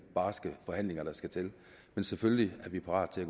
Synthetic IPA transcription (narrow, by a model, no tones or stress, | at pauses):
b̥ɑ̈ːsɡ̥əfɒ̽hæn̰le̝ŋɐɾ̥ɑ̈sɡ̥æt͡sʰel | mensefølliæɐʋipʰɑ̈ʁɑ̰ːd̥t͡sʰe̝læɡ̥